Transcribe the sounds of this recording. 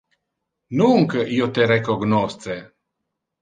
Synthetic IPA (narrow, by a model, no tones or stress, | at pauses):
nuŋkəiot̪eɾekoɡnɔst̪t͡se